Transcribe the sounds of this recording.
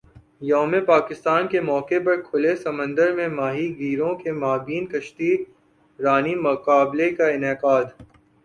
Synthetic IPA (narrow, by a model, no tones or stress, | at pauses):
joːmepaːkɪst̪aːnkemɔːkepɐɾkʰʊlesɐmə̃nd̪əɾmẽmaːɦiɡʱiːɾõkemaːbiːnkɐʃt̪i | ɾaːnimʊqaːblekaɪnɛqaːd̪